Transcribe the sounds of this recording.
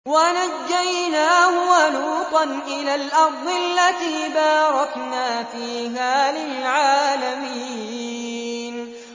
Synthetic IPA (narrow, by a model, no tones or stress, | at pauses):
wanad͡ʒːajnaːhʊwanuːqɑnʔɪlaːlʔɑɾˤd̪ˤɪʔalːat̪iːbɑːɾˤɑknaːfiːɦaːlɪlʕaːlamiː | n